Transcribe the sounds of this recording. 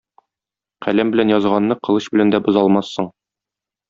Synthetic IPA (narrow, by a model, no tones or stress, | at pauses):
qælæmbɘ̆lænjɒzʁɑnːɤqɤ̆lˠɤɕbɘ̆lænd̪æbɤ̆zɑlˠmɑsːɤɴ